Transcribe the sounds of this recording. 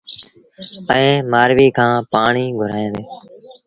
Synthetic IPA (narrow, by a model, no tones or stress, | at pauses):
əẽːmaːɾʋiːkʰãːpaːɳiːɡʱʊɾaːjẽːd̪eː